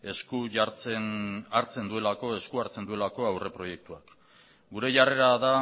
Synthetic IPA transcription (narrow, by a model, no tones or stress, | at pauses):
eskuʝaɾt͡senaɾt͡se̞nd̪ue̞lako̞e̞skuaɾt͡se̞nd̪ue̞lako̞awre̞pɾo̞je̞k̚t̪uak | ɡuɾe̞ʝare̞ɾaða